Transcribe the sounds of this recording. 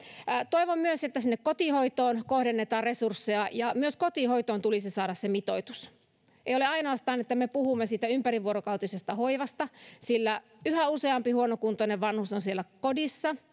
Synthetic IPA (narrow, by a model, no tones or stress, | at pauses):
t̪oiʋommyøset̪ːæsinːekkot̪ihoit̪oːnkohdenːet̪ɑːrresursːeɑjɑmyøskot̪ihoit̪oːnt̪ulisisɑːɾɑssemit̪oit̪us | ʔeijoleɑinoɑst̪ɑːnet̪ːæmepuhumːesiːt̪æympæriʋuoɾokɑwt̪isest̪ɑhoiʋɑst̪ɑsilːæ | yhæuseɑmpihuonokunt̪oneʋʋɑnhusonsielːækodisːɑ